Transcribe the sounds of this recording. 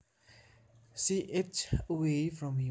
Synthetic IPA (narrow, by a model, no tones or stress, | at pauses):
siʔet͡ʃəwefɹɔ̃mhĩ